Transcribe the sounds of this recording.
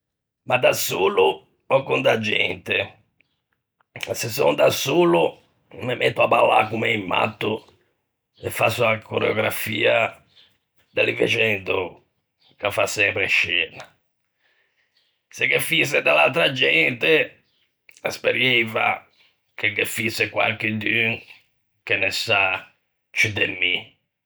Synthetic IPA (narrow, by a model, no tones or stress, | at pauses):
mad̪asoːlu | ɔkːund̪ad͡ʒːɛ̰nt̪ɛ | ɛsɛsɔnd̪asuːlu | mɛmʔɛt̪ːuapalːa̰kumɛimːa̰t̪ːu | ɛfːasuakɔɾɛɔɡɾafiːa | d̪alivɛ̰t͡ʃɛnd̪ɔ | kafːasɛmpɾeʃːɛːna | sekefised̪ala̰lt̪ɾad͡ʒɛnt̪e | aspeɾjejva̰ | keɡefisekwa̰lk̟ɪd̪yŋ | kenɛsa | t͡ʃid̪emːi